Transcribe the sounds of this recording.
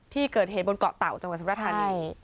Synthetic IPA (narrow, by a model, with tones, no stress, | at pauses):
t̪ʰiː˥˩kɤː˨˩t̪̚heː˨˩t̪̚bo˧nkɔ̰ː˨˩t̪a˨˩wt͡ɕa˧ŋw̪̚sa˦ɾt̪̚ʰa˧niː˧